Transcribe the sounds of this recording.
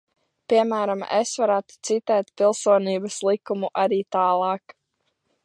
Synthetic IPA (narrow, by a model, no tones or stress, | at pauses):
pʲiɛmæːɾamḛsvaɾæːt̪u̥t̪sit̪ɛːt̪̚pʲilˠsuɔniːbɐslˠikumuʔaɾiːt̪aːlˠɑːk